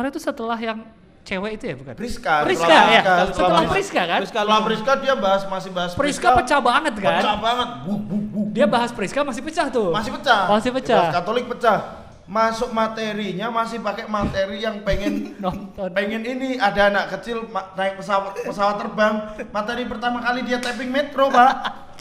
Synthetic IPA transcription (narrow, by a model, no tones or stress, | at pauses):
aɾat̪usət̪əlaɦjaŋ | t͡ʃewɛit̪ujabuka̰npɾiskapɾisəlkajaasətssəlaəlahpəɾiskakanskalapəɾiskadiabaɦasmasɪhbaɦaspəɾiskapət͡ʃabaŋət̪̚kaəabaŋət̪̚ɡuɡuɡudiabaɦaspəɾiskamas̬ɪhpət͡ʃaht̪ʊmasɪhpət͡ʃamasɪhpət͡ʃakat̪olɪk̚pət͡ʃah | masʊk̚mat̪eɾiɲamasɪhpakɛmat̪eɾijaŋpeŋɛnnɔnɔnpɛŋɛniniadaːnaʔkət͡ʃɪlmanaɪk̚pəsawat̪̚ppəsawat̪ːərbaŋmat̪eɾipərt̪amakalidiat̪ɛp̬ɪŋmet̪ɾopa